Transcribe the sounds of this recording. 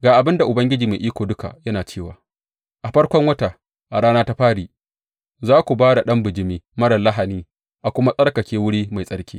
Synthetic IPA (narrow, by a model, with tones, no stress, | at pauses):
ɡaː˨ʔa˨bɪ˦nda˨ʔʊ˨bɐ˦ŋɡʲɪ˦d͡ʒiː˨maː˨ʔiː˦kʷoː˨dʊ˦ka̰˨ʔjɐ˦naː˨t͡ʃeː˦˨waː˨ | ʔa˨ɸɐ˦ɽkʷɔ˦ŋwɐ˦ta˨ | ʔa˨ɽaː˦naː˦ta˦ɸaː˦ɽiː˨ | zaː˦kʷu˨baː˦da˨ɗɐ˦mbɪ˨d͡ʒɪ˨miː˦mɐ˦ɽɐ˨lɐ˦ɦa˨niː˦ | ʔa˨kʷʊ˦ma˦sʼɐ˦ɽkɐ˨kʲeː˦wʊ˦ɽiː˦ma˨jsʼɐ˦ɽkʲḭː˦